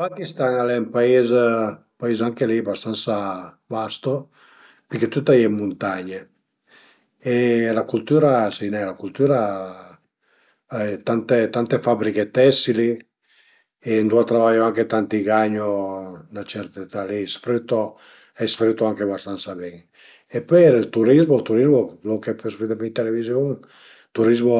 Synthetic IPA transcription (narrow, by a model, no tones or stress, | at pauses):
fakist̪aŋalɛmpaez | paizaŋkelibast̪ansa | bast̪o | pɛket̪ut̪ːajɛmːunt̪aɲe | elakult̪uɾasinɛlakult̪uɾa | ɛt̪ant̪et̪ant̪efabɾiket̪ɛsili | end̪uat̪ɾavajoaŋket̪ant̪iɡaɲonat͡ʃɛɾt̪et̪alisfɾit̪o | ɛsfɾit̪ːoaŋkeβast̪ansabɛŋ | epeɾilt̪uɾizmolt̪uɾizmɔlokepesfid̪emit̪elevizjoŋ | t̪uɾizmo